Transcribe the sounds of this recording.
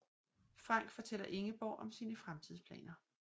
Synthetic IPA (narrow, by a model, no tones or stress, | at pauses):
fʁɑ̈ŋ̰ɡ̥fɒ̽t͡sʰel̰ɐʔe̝ŋəb̥ɒʊ̰ʔɒ̽msiːnəfʁamt͡sʰiðˠspʰlɛ̰ːnɐ